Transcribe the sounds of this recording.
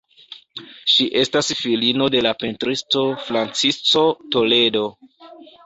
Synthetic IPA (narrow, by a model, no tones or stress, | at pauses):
ʃiʔe̞stasfilino̞de̞lapentɾisto̞fɾant͡sist͡so̞to̞le̞do̞